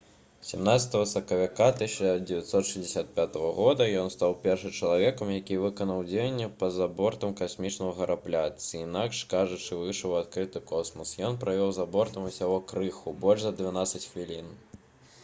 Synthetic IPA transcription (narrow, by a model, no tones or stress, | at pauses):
sʲɛmnat̪sɐ̥t̪ɐvɐsɐkɐvʲikat̪ɨɕʲɐd͡zʲɛvʲat̪sɔt̪ʂɨzʲdʲɪsʲat̪̚pʲat̪ɐvɐɣɔd̪ɐjɔnst̪awpʲɛrʂɨt͡ʂɐlˠavʲɛkɐmjakʲivɨkɐnɐwd͡zʲejnʲːɛpɐzabɔrt̪ɐmkasʲmʲit͡ʂnɐɐɣɐɾʔaplʲat̪sɨːnakʂkaʐut͡ʂɨvɨʂɐwat̪kɾɨt̪ɨkɔsmɐsjɔnpɾavʲɔwzabɔrt̪ɐmusʲaɣɔkɾɨxubɔlʲʐzɐd̪vʲanat̪sɐt͡sʲxvʲilʲin